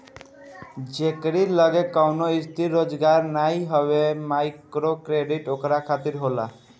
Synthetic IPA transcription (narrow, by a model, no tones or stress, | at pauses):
d͡ʒekɽilɔɡekɔwnoist̪ʰiɾːod͡ʒɡaɾnajɦɔbemajkɾokɾeɖiʈokɾakʰat̪iɾɦola̰